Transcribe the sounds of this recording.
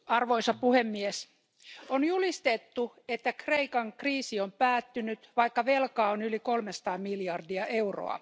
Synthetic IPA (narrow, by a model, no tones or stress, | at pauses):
ɑrʋoisɑppuhemːies | onjulist̪et̪ːu | et̪ːækreikɑŋkriːsiompæːt̪ːynyt̪ʋɑikːɑʋelkɑːonylikolmesɑ̥t̪ɑːmmiljɑrdiɑʔeuro̰ɑ̰